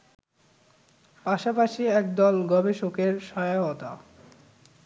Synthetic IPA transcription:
paʃapaʃiɛk̚d̪ɔlɡɔbeʃokeɾʃɔjaɦot̪a

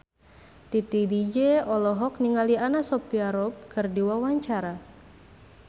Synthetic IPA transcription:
t̪it̪idid͡ʒeɔlɔɦɔk̚niŋalianasɔpiaɾɔp̚kərdiwawaɲt͡ʃaɾa

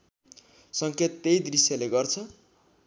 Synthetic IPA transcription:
sʌŋkʰet̪ːejd̪risjaleɡʌrt͡sʰʌ

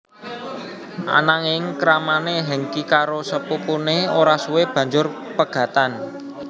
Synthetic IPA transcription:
ʔa̰naŋeŋkɾamaneɦəŋkikaɾosəpupuneoɾasuweb̥ä̤ɲd͡ʒʊr | pəɡ̥ä̤t̪an

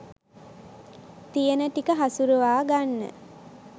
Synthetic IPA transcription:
t̪ijənəʈikəɦasuɾəʋaːɡanːə̰

